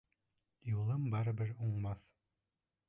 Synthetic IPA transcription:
julˠɤmbɑɾɘ̆bɘɾuɴmɑθ

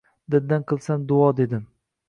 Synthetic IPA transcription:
d̪ɪd̪ːanqʰɨlˠsand̪ʊɒd̪e̞d̪ɪm

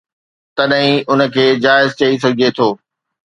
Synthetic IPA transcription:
t̪ɐɗɦĩʊnə̆kʰeːd͡ʑaːɪzt͡ɕɐis̬ɐɡʱet̪ʰoː

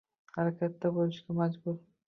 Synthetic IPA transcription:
haɾakʲʰat̪ːabolɪʃɡʲamad͡ʒbʊɾ

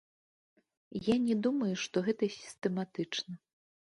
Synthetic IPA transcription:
janʲɛd̪umɐjuʂt̪ɔɣɛt̪ɐsʲi̥st̪ɛmat̪ɨt͡ʂnɐ

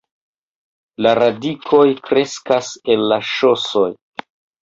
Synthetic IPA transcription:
laɾadikʰo̞jkɾe̞skase̞lːaʃo̞so̞j

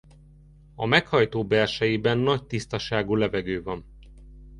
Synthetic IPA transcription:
ɒmɛkhɒjt̪oːbɛrʃɛjibɛnːɒc̚t̪ist̪ɒʃaːɡuːlɛvɛɡøːvɒn

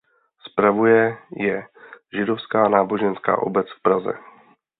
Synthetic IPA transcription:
spɾavujɛjɛʒɪdofskaːnaːbo̞ʒɛnska̰ːʔo̰bɛt͡sfpɾazɛ̰

